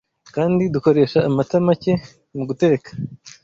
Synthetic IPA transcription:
kaːndiduko̞ɾe̞ːʃaːmatamace̞ | muɡute̞ːkḁ

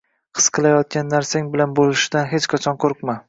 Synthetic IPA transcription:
qʰɨ̥sqʰɨlˠajɒt̪̚kʲanːaɾsaŋbɪlanbolɪʃɪd̪anɦet͡ʃqʰɑt͡ʃʰɒnqʰoɾqma

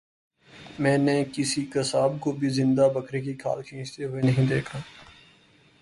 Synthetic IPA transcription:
mɛ̃ːnekɪsikɐsaːbkobʱizɪ̃nd̪abɐkʰɾek̬ikʰa̰ːlkʰĩːt͡ʃt̪eɦʊenɐɦĩd̪eːkʰaː

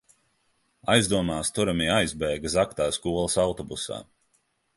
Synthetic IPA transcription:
ajzd̪uɔmaːst̪uɾamiajzbɛːɡəsakt̪aːskuɔlˠəsawt̪ɔbusa̰ː

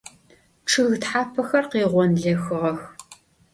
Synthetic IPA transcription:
ʈ͡ʂʰɨɣtħaːpʰɐxɐrqiːʁʷɔnɮeːxɨʁɐx

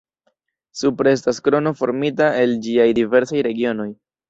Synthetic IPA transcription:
supɾe̞s̬taskɾo̞no̞fo̞̰ɾmitae̞ld͡ʒiajdive̞ɾsajɾe̞ɡio̞no̞j

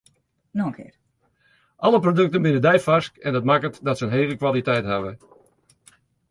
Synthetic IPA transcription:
nɔəŋkʰɪ̰ːr | ʔɑləprodøk̚tənbɪnədɛjfaskɛndətmakətdɔtsəənɦeːɣəkʋalˠitɛjtɦaʋə

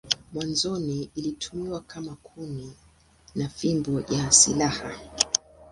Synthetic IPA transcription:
mwanzɔniilitʰumiwakʰamakʰuni | nafimbɔjasilaha

